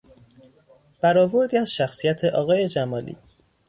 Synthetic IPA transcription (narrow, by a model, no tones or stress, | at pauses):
b̥æɾɒːvo̞ɾd̪iːæzʃæxsijæt̪ʰe̞ʔɒːɣɒːje̞d͡ʒæmɒːlḭː